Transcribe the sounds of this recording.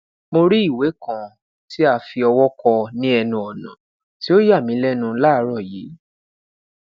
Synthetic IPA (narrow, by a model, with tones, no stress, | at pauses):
mo˧ɾi˦i˦˨we˨˦kã˨ | ti˦a˧fi˧ɔ˧wɔ˦kɔ˧nĩ˦ɛ˧nũ˧ɔ˨nã̰˨ | ti˨˦o˦ja˦˨mĩ˨˦lɛ˦nũ˧la˦˨˧ɾɔ˦˨ji˨˦